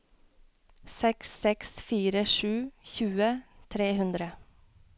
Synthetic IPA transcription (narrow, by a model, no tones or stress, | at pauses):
sɛksɛksfiːɾəʂʉːçʉːət̪ʰɾeːhʉnd̪ɾə